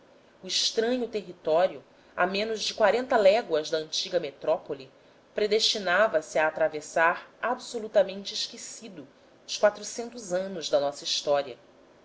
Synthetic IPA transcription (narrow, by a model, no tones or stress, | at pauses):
ʊiʃt̪ɾɐ̃ɲʊt̪eɦit̪ɔɾju | a̰mẽnʊzd͡ʒɪkwaɾẽnt̪ɐlɛɡwɐzd̪ɐɐ̃nt͡ʃiɡɐmet̪ɾɔpoli | pɾed̪eʃt͡ʃinavɐsiaːt̪ɾavesaɾabsolut̪ɐmẽnt͡ʃɪiʃkesid̪ʊ | ʊskwat̪ɾusẽnt̪ʊzɐ̃nʊzd̪ɐnɔsɐiʃt̪ɔɾiɐ